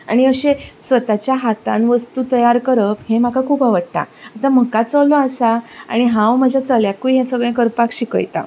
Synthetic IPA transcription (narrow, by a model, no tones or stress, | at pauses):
a̰ɽ̃iəɕesʋət̪at͡ɕjaɦat̪ã̰nʋəst̪ut̪əjaɾkəɾəphẽm̤akakʰupaʋəɽʈ̪a̰at̪am̤əkat͡səlɔasaa̰ɽ̃iɦãwməd͡ʑʱat͡səljakujɦẽsəɡɭẽkəɾpakɕikə̰jt̪a̰